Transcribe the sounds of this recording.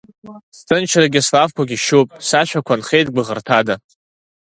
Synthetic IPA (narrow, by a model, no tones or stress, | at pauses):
stʰɨnt͡ʃʰraɡʲɪslavkʷʰaɡʲiʃupʼsaʃᶣakʷʰanχejtɡʷɨʁərtʰada